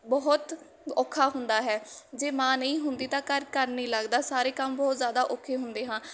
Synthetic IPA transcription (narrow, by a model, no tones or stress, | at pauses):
bɔɦʊt̪ | ɔːkʰːaːɦʊnd̪aːɦɛːd͡ʒeːmãːnəĩːɦʊnd̪iːt̪ãːkəɾkəɾnĩːləɡd̪aːsaːɾeːkəmbɔːt̪zjaːd̪aːʔoːkʰeːɦʊnd̪eːɦãː